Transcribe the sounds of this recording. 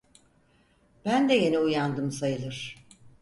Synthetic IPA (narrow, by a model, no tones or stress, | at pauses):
b̥ænd̪ɛje̞niujand̪ɯmsajɯlˠɯɾ̥